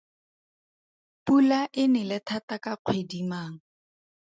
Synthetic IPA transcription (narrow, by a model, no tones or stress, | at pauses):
pulaʔɪnɪlɪtʰatakaq͡χʰwedimaːŋ̩